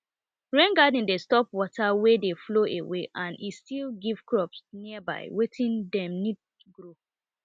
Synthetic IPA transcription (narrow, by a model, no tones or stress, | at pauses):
ɹẽnɡadĩndestɔpwɔtawɛdefloʔewḛʔãnʔistilɡiv̥kʰɹɔpsniəba̰ɪwetʰĩndɛ̃mnid̚ | ɡɹo